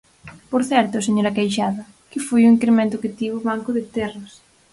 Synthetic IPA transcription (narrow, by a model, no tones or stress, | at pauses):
poɾθɛɾt̪ʊseɲoɾɐkejʃaðɐ | kɪfojuiŋkɾemẽnt̪ʊkɪt̪iβʊβaŋkʊðɪt̪ɛrɐs